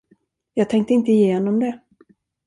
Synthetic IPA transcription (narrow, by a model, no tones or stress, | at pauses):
jɑːɡ̚t̪ʰɛŋk̚t̪əɪnt̪əɪjeːnɔmd̪ɛ